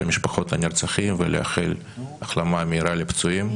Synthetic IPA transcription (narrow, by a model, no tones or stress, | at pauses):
miʃpaχo̞t̪anʲirt͡saχimvelḛa̰χel | aχlamameiɾalipt͡suim